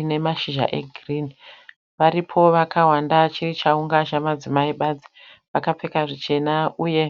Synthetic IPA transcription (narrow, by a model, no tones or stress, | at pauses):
ne̞maʃiʒa̰ʔe̞̰ɡʱrini | ʋaɾipʰo̞ʋakaɦwandat͡ʃirit͡ʃauŋɡaʃamad͡zimaiɓad͡zi̥ | ʋakap͡fe̞kaʐit͡ʃe̞nauje̞